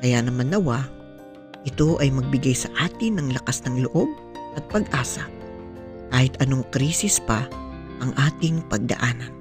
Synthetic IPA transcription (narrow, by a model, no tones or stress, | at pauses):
kɐjanɐmanːɐwa | ʔɪt̪o̞ʔɐjmɐɡ̚bɪɡajsɐʔaːt̪ɪnɐŋlɐkasnɐŋloʔo̞b̚ | ʔɐt̪̚pɐɡʔaːsɐ | kaːhɪt̪ɐno̞ŋkɾiːsɪspɐ | ʔɐŋʔaːt̪ɪŋpɐɡ̚d̪ɐ̰ʔaːnɐn